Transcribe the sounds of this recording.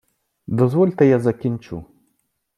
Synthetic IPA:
d̪ɔzvɔlʲt̪ɐjazɐkʲint͡ʃṵ

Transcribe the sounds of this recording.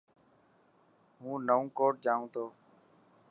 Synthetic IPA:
ɦũːnəũːkoːʈ̚d͡ʒaːũːt̪oː

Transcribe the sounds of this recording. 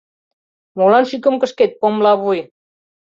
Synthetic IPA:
molɑnʃykə̆mkə̆ʃket̪̚pomlɑβuj

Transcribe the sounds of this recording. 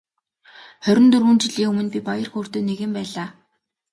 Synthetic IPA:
χœɾʲɪ̆nt̪ɵrwuːnt͡ɕɪ̆ɮiːŋɵmɵ̆npʲipajə̆rxoːr̥t̪eːneɣɘ̆mpæːɮaː

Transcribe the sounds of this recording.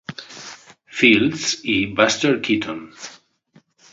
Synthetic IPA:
filsibastəɹkʰitʰɔ̃n

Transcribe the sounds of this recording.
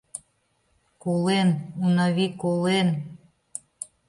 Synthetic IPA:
kolenunɑβikolen

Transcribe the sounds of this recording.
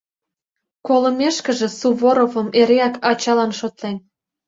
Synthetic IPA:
kolə̆meʃkə̆ʒĕsuβoɾovə̆meɾeɑkɑt͡ɕɑlɑnʃot̪len

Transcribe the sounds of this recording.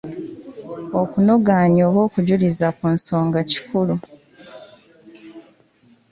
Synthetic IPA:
o̞kunoɡaːɲo̞ːβo̞ːkuɟulizakunso̞ːŋɡaci̥kulu

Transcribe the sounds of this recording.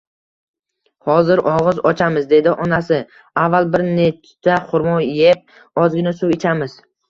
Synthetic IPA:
hɒzɪɾʔɒʁɨzɒt͡ʃʰamɪzd̪e̞d̪ɪʔɒnasɪ | avːalbɪɾnet͡ʃt͡ʃ̪ʰaqʰʊɾmɒjep̚ | ɒzɡʲɪnasʊwɪt͡ʃʰamɪz

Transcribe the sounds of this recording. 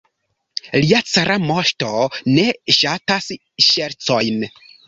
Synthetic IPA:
liat͡saɾamo̞ʃto̞ne̞ʃatas | ʃeɾt͡so̞jn

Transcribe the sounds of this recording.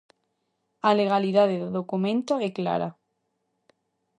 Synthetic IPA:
ale̞ɣ̞aliðaðeððokumẽnt̪oekla̰ɾa̰

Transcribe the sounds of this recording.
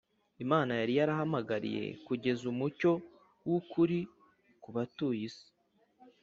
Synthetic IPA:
imaːnajaɾijaɾaɦamaɡaɾḭje̞̰kuɟe̞zumuco̞ | wukuɾi | kuβatuːjisi̥

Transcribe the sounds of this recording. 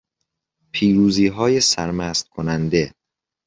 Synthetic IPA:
pʰiːɾuːziːɦɒːjesæɾmæːst̪̚kʰonænd̪e̞

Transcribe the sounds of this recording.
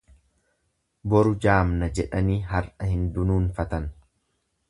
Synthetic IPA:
bɔɾʊd͡ʒaːmnɐd͡ʒɛᶑɐniːɦɐɾʔɐhɪnd̪ʊnuːnfɐt̪ɐn

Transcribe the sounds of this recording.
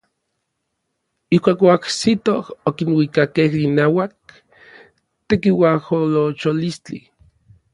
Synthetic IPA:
ihkʷaːkoaksit̪ohokinwikakehinaːwak̚ | t̪ekiwaholot͡ʃolist͡ɬḭ

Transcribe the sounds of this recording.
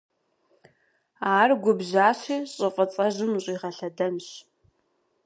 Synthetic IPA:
aːrɡʷʊbʑaːɕiːɕʼɨfʼɐt͡sʼɐʑɪmɕʼiːʁɐɬɐdɐmɕ

